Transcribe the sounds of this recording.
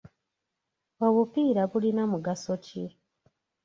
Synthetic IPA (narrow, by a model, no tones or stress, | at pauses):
oβupiːɾaβulinamuɡasoci